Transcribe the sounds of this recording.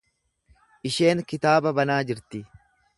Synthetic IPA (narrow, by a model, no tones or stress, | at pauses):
ʔɪʃe̞ːŋkɪt̪aːbɐbɐnaːd͡ʒɪɾt̪ɪ